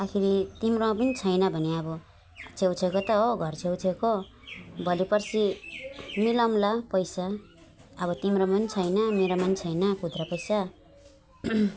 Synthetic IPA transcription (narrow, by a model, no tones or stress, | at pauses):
akʰiɾit̪imɾomap̬ʌnit͡sʰʌjnʌbʱʌneʌbʌ | t͡sʰewt͡sʰekot̪ʌoɡʱʌrt͡sʰewt͡sʰeko | bʱʌlipʌrsi | milʌmlapʌjsaː | βʌt̪imɾomapʌnit͡sʰʌjnʌmeɾamanit͡sʰʌjnʌkud̪rapʌjsa